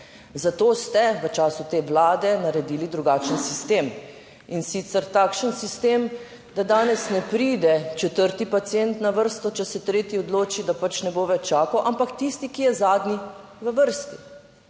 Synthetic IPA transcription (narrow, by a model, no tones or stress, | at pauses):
zat̪oːst̪ɛʋət͡ʃaːsut̪eːʋlaːd̪ɛnaɾɛd̪iːlid̪ɾuɡaːt͡ʃənsist̪eːm | insit̪sɛɾt̪aːkʃənsist̪em | d̪ad̪aːnɛsnɛpɾiːd̪ɛt͡ʃɛt̪əɾt̪ipat̪sient̪naʋəɾst̪ɔt͡ʃɛsɛt̪ɾeːt̪iɔd̪loːt͡ʃid̪apat͡ʃnɛboːʋɛt͡ʃaːkɔʔampakt̪ist̪ikijɛzaːd̪ni | ʋəʋəɾst̪i